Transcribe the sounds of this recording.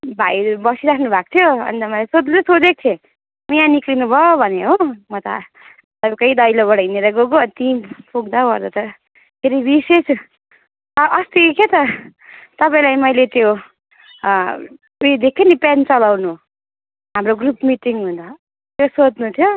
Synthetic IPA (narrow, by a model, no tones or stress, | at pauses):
bʱajbʌsiɾakʰnubʱak̚t̪ʰjoʌ̰nd̪ʌmʌlesod̪nut̪ʌsod̪ek̚t̪ʰe | mijãniklinubʱʌobʱʌneɦomʌt̪ʌ̰ | t̪ʌbikʌid̪ʌjlobʌɽʌineɾʌɡoɡoʌnt̪ipuɡd̪abʌɾd̪ʌt̪ʌ | pʰeɾibises | ʔʌst̪ikʰjet̪ʌ | t̪ʌpaĩlajmʌjlet̪jo | uid̪ek̚t̪ʰinipant͡sʌlawnu | ɦamroɡrupmiʈiŋɦunt͡sʰʌ | t̪josod̪nut̪ʰjo